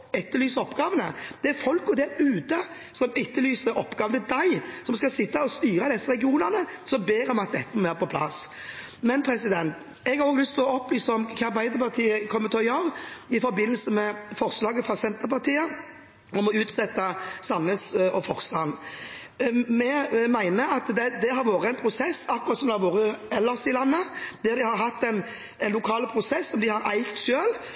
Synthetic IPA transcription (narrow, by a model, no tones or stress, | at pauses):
ɛt̪ːəlyːsəɔpːɡɑːʋənəd̪̥ɛæɾfɔlkɔd̪ɛɛʉːt̪ə | sɔmɪt̪ːəlyːsəɾɔpːɡɑːʋənəd̪æɪsɔmskɑsɪt̪ːɑɔst̪yːɾəd̪ɛsːəɾɛɡɪuːnəʁnəsɔbeːɾɔmɑt̪̚d̪ɛt̪ːəmæːɾpɔpʰlɑ̰s | mɛnpʰɾɛsɪd̪ɛnt̪ | ɛɡhɑɾʁoːɡlʏst̪ʰlɔɔplyːsəɔmkʰɑɾbæɪd̪əɾpɑʁt̪ʰiːəkʰɔmːət̪ʰɔjɑʁɪfɔɾbɪnːəl̩səmɛfɔɾslɑːɡəfʁɑsɛnt̪əɾpɑʁt̪iːə | ɔmɔʉːt̪sɛt̪ːəsɑnːəsɔfɔɾst̪ɑn | mɛmæɪnəɑt̪d̪ɛd̪ɛɦɑɾʋoːɾəɛɪnpʰɾʊsɛsːɑkːʊʁɑt̪sɔmd̪ɛhɑɾʋoːɾəɛlːəsɪlɑnːəd̪̥ɛːd̪ɪhɑɾɦɑt̪ːɛɪn | ɛnlʊkʰɑːlpʰɾʊsɛsːɔmd̪ɪhɑɾæɪkt̪ʃøːl